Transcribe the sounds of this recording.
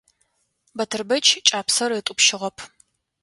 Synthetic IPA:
bɐtʰɨrbɐt͡ʃʰt͡ʃʼaːpsɐrɪtʼʊpʃɪʁɐpʰ

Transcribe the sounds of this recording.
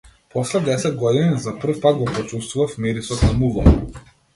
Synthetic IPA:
pɔslɛd̪ɛsɛd̪̚ɡɔd̪inizapr̩fpat̪ɡɔpɔt͡ʃust̪vuvafmiɾisɔt̪namulˠɔ̰

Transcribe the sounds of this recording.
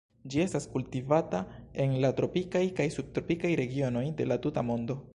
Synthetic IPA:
d͡ʒie̞staskultivatae̞nlatɾo̞pikajkajsub̚tɾo̞pikajɾe̞ɡio̞no̞jde̞latutamo̞ndo̞

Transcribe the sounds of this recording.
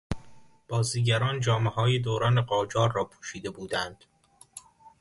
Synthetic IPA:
b̥ɒːziːɟæɾɒːnd͡ʒɒːmehɒːjed̪oːɾɒːneɢɒːd͡ʒɒːɾːɒːpʰuːʃiːd̪e̞buːd̪ænd̪̥

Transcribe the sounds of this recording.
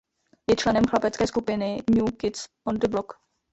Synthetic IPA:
jɛt͡ʃlɛnɛmxlapɛt͡skɛːskupɪnɪɲuːkɪt̪s | ond̪ɪblok

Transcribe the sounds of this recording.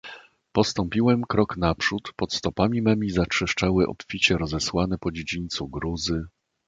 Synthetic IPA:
pɔst̪ɔmpʲiwɛmkɾɔknapʂut̪pɔt̪st̪ɔpamʲimɛmʲizat͡ʂʂɘʂt͡ʂawɘʔɔ̰pfʲit͡ɕɛɾɔzɛswanɛpɔd͡ʑed͡ʑiɲt̪suɡɾuzɘ

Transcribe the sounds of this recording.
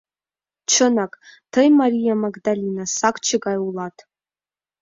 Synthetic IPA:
ʈ͡ʂʷʰɨnakʼtʰɨjmaɾijamaɡdalinasakʷʰʼt͡ʃʰɨɡajwlatʰʼ

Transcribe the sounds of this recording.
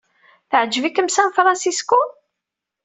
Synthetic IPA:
θəʕd͡ʒːvikːəmsænfɾˤɑnsisku

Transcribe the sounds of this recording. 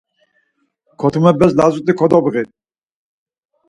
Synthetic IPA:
kʰɔt̪ʰumɛbɛzlazut̪ʼikʰɔd̪ɔbɣit̪

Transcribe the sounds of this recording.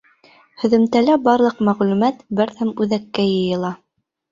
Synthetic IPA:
hɵ̆ðɵ̆mt̪ælæbɑɾlˠɤqmæʁlʉmæt̪bɘɾθæmʉðækːæjɤ̆jɤ̆lˠɑ

